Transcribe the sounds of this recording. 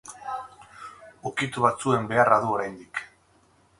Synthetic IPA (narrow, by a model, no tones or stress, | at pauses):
ukit̪uβat͡sue̞mbe̞araðuo̞ɾajnd̪ik